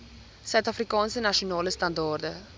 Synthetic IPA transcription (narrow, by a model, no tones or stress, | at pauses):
sœɥtɐfrikɑːnsənɐʃionɑːləst̪ɐndɑːrdə